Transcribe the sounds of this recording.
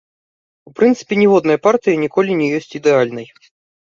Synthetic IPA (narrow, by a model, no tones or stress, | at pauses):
upɾɨnt̪sɨ̥pʲɛnʲɛvɔd̪nɐjɐpart̪ɨjɐnʲikɔlʲinʲɛjɔsʲt͡sʲid̪ɛalʲnɐj